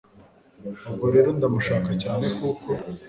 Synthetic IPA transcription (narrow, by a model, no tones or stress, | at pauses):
oɡoɾeɾond̪amuʃaːkacaːnekuːko